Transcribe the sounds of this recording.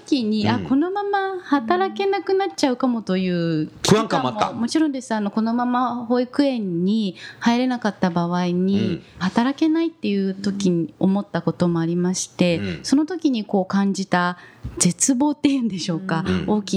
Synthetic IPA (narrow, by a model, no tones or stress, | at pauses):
kʲiɲ̟iako̞no̞mamahat̪aɾake̞nakɯ̟nat͡ɕaɯ̟kamo̞t̪o̞jɯ̟ːkaŋkaamoːa̰mo̞t͡ɕiɾõ̞nd̪e̞sɨano̞ko̞no̞mamaho̞ikɯ̟ẽ̞ɲ̟ːihaiɾe̞nakat̪ːabaβ̞aiɲ̟ihat̪aɾake̞nait̪ːe̞jɯ̟ːt̪o̞kʲiɲio̞mo̞t̪ːako̞t̪o̞mo̞aɾʲimaɕi̥t̪e̞so̞no̞t̪o̞kʲiɲ̟iko̞ːkãɲ̟d͡ʑit̪az̥e̞t͡sɨbo̞ːt̪ːe̞jɯ̟̃nd̪e̞ɕo̞ːkaoːkʲi